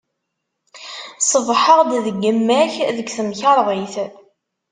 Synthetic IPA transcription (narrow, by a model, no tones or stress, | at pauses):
sˤəvħəʁd̪ðəɡːəmːæçðəɡθəmçɑɾˤðˤiθ